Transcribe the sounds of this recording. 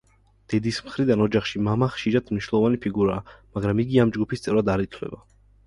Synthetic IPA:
d̪̥ɛd̪ismχɾid̪anɔd͡ʒaχʃimamaχʃiɾat̪ʰmniʃwnɛlˠɔvanipʰiɡuɾaːmaɡɾamiɡiamd͡ʒɡupʰist̪sʼɛvɾad̪aɾit̪ʰwlɛ̰ba

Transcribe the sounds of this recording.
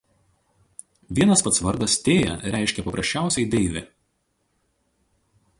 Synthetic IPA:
ʋʲiɛnɐspɐt̪sʋɐɾd̪ɐst̪ʲeːjɛ̰ɾʲæˑɪʃʲkʲɛpɐpɾɐsʲt͡ʃʲæˑʊsʲɛɪd̪ʲɛɪʋʲɪ

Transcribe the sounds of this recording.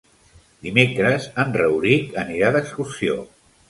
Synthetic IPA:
d̪imekɾəzənrəwɾikəniɾaðəkskursio̰

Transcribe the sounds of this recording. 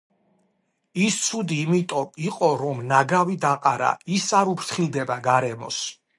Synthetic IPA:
ist̪sʰud̪iːmit̪ʼɔiqʼɔɾɔmnaɡavid̪aqʼaɾa̰isaɾupʰɾt̪ʰχilˠd̪ɛbaɡaɾɛmɔ̰s

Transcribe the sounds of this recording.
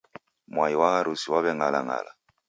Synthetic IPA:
mwaiwahaɾusiwaβɛŋalaŋa̰la

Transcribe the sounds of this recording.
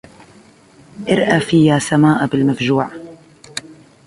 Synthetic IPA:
ʔɪɾʔaːfiːjaːsamaːʔbɪlmafd͡ʒuːʕ

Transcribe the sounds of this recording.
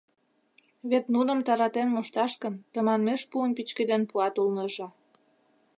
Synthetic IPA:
βet̪nunə̆mt̪ɑɾɑt̪enmoʃt̪ɑʃkənt̪əmɑnmeʃpuənpit͡ɕked̪enpuɑt̪ulnəʒĕ

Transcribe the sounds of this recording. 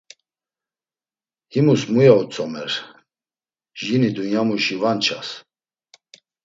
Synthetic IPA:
himusmujaut͡sʼɔmɛɾ | ʒinid̪unjamuʃivant͡ʃʰas

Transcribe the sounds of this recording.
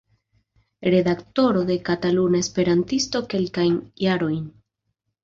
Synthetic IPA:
ɾe̞dakto̞ɾo̞de̞katalunae̞spe̞ɾantisto̞ke̞lkajnjaɾo̞jn

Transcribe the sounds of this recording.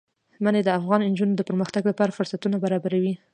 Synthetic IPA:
maned̪əafɣɑnɪnd͡ʒunod̪əpəɾməxt̪aɡlapɑɾafʊɾsat̪unabaɾɑbaɾawi

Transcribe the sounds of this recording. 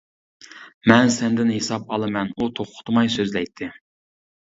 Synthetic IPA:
mɛnsɛnd̪ɪnhesɑp̚ɑlˠɨmɛnut̪ʰoχqʰʊ̥t̪ʰmɑjsøzlɛjt̪ʰːɪ

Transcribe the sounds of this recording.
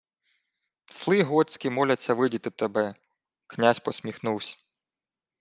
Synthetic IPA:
slˠɪɦɔt͡sʲkʲimɔlʲɐt͡sʲːɐʋɪdʲit̪ɪt̪ebɛ | knʲasʲpɔsʲmʲixnuwsʲ

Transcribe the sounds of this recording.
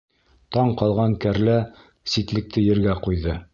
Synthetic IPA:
t̪ɑɴqɑlˠʁɑŋkæɾlæ | sit̪lɘ̆k̚t̪ɘjɘ̆ɾɡæqujðɤ

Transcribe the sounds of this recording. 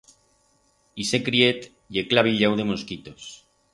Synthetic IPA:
isekɾiet̪ | jeklaβ̞iʎawðe̞moskit̪os

